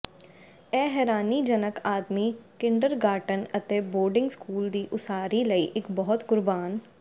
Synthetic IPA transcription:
ɛːɦɛːɾaːnid͡ʒənəkaːd̪mikɪ̃ɳɖəɾɡaːʈənɐt̪eboːɾɖɪ̃ŋɡskuːld̪iːʔʊsaːɾilɐiʔɪkbɔɦɔt̪ɡʊɾbaːn

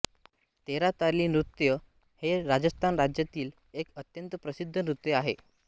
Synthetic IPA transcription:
t̪eɾat̪aɾliːnɾut̪jə | heɾad͡zəst̪ʰanɾad͡ʑjat̪iːl | ekət̪jənt̪əpɾəsid̪ʱːənɾut̪jəaɦe

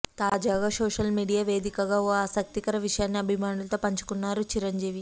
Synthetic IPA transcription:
t̪aːd͡ʒaːɡaːsoːʂɐlmiːɖijaːʋeːd̪ikɐɡaːoːaːsɐk̚t̪ikɐɾɐʋiʂɐjaːnːiɐbʱimaːɳulɐt̪o̞ːpɐɲt͡ʃu̥kunːaːɾut͡ʃiɾɐɲd͡ʒiːʋi

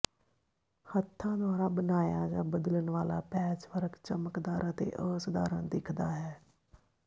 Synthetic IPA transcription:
hət̪ʰːãːd̪ʊaːɾaːbənaːjaːd͡ʒãːbəd̪ələnʋaːla̰ːpɛːt͡ʃʋəɾəkt͡ʃəməkd̪aːɾət̪ḛːʔəːsd̪a̰ːɾãːd̪ɪkʰd̪aːɦɛː

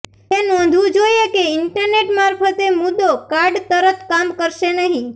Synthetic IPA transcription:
enɔ̃nd̪ʱʋũd͡ʒoiekeɪɳʈəɾneʈmaɾpʰət̪emʊd̪ːokaɾɖt̪əɾət̪kamkəɾʃenəɦĩ

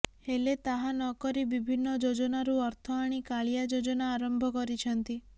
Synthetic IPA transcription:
helet̪aɦanɔkɔɾibibʱinːɔd͡ʒod͡ʒɔnaɾuɔɾt̪ʰɔaɽ̃ikaɭijad͡ʒod͡ʒɔnaːɾɔmbʱɔkɔɾit͡ʃʰɔnt̪i

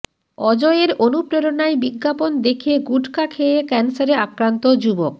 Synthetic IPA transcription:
ɔd͡ʑɔeɾonupɾeɾonaebiɡːapond̪ekʰeɡuɖʱkakʰeekɛnsaɾeakɾant̪od͡ʑubok̚

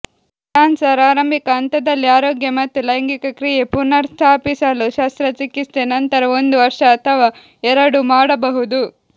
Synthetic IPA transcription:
ʈaːnsɐɾaːɾɐmbʱikɐɐnt̪ɐd̪ɐlːiaːɾoːɡjɐmɐt̪ːulɐjɐŋɡikɐkɾijepuɾnɐɾst̪ʰaːpisɐluʃɐst̪ɾɐt͡ʃikːist̪enɐnt̪ɐɾɐo̞nd̪uʋɐɾʂɐːt̪ʰɐʋaː | ɛɾɐɽumaːɽɐbɐɦud̪u

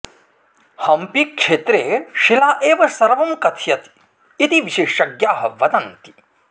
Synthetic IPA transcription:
hɐmpikʂeːt̪ɾeːʃilaːʔeːʋɐsɐɾʋɐmkɐt̪ʰjɐt̪ | it̪iʋiʃeːʂɐɡjaːɦɐʋɐd̪ɐnt̪i̥

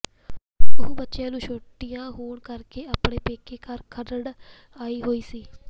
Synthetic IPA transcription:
əɦũːbətːʃjãːnũːʃʰoːʈːɪjãːɦoːɳkəɾkeːaːpɳeːpeːkʰeːkəɾkʰəɾəɽ | aːiːɦoːiːsiː

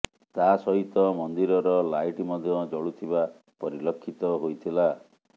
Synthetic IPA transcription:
t̪asɔɦit̪ɔmɔnd̪iɾɔɾɔlajʈimɔd̪ʱjɔd͡ʒɔɭut̪ʰiba | pɔɾilɔkʰːit̪ɔɦojt̪ʰila

